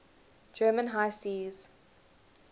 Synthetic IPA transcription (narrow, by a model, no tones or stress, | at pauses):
d͡ʒɜːmə̃nɦaɪsiːz̥